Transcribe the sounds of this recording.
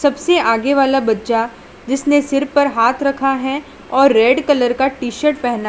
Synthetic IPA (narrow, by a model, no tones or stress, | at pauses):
sɐbseʔaːɡeʋaːlabɐtːʃa | d͡ʒɪsnesɪɾpɐɾɦaːt̪ʰɾɐkʰaɦɛ | ɔːɾːɛːɖkɐləɾkaʈiːʃəɾʈ̚pɛɦna